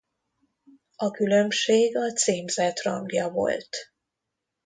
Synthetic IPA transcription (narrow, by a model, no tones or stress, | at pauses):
ɒkylø̞mʃeːɡɒt̪seːmzɛt̪rɒŋɡjɒvo̞̰lt̪